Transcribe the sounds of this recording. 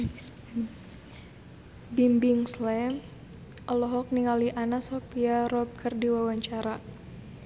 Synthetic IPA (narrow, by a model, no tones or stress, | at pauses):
bimbiŋslɛm | ɔlɔɦɔk̚niŋaliʔanasɔpiaɾɔp̚kərdiwawaɲt͡ʃaɾa